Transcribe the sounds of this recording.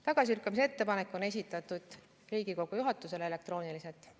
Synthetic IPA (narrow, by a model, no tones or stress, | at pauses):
t̪ɑɡ̥ɑs̬iylkːˑɑmis̬e̞t̪ːe̞pɑne̞kːˑo̞ne̞s̬ʲit̪ːˑɑt̪ːˑud̪̥ | riːɡ̥iko̞ɡ̥ujuɦɑt̪ːˑuse̞leele̞k̚t̪ro̞ːnilise̞lt̪ːˑ